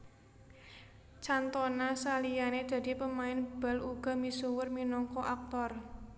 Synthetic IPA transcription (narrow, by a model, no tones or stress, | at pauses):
t͡ʃant̪ɔnasalijaned̪̥ä̤d̪̥i̤pəmaɪnb̥a̤luɡ̥a̤misuwərminɔŋkɔʔak̚t̪ɔr